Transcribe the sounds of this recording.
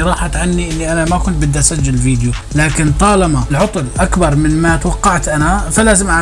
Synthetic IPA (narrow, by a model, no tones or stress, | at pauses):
ɾˤɑːħat̪ʕanːiʔɪlːiʔanamakʊnt̪̚bɪd̪ːʔasad͡ʒːalviːd̪ju | laːkɪnt̪ˤɑːlɑmalʕʊt̪ˤʊlʔakbɑɾˤmɪnmat̪wɑqːɑʕt̪ʔanafalaːzɪmʔa